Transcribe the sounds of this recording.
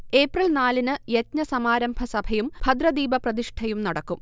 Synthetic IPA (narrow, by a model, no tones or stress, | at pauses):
eːprɐlnaːlinɨjɐt̪ɲɐsɐmaːɾɐmbʱɐsɐbʱɐjumbʱɐd̪rɐd̪iːbɐprɐðiʂʈʰɐjumnɐɽɐkːum